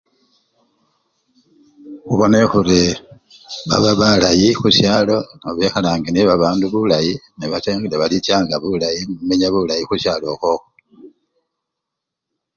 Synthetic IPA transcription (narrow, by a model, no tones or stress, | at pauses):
xuβo̞ne̞xure | βa̰βaβalajixusjaːlo̞naβexalaːŋɡeniβaβaːnduβulajineβateŋɡeleβalit͡ʃaːŋɡaβulajimuumeɲaβulajixusjaːlo̞xoxo